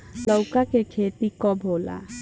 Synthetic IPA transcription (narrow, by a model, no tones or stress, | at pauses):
ləʊkakekʰeːt̪ikɔbʱoːla̰